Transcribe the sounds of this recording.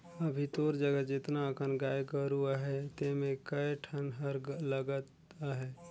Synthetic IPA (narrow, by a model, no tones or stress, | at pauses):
əbʱit̪oːɾd͡ʒəɡəd͡ʒɪt̪naəkʰənɡaːjkəɾuaɦɛt̪emẽkəʈʰənɦəɾɡləɡət̪ | aɦɛː